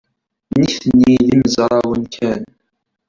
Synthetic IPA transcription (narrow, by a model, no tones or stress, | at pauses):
niθənːiliməzɾˤɑwənkʰæn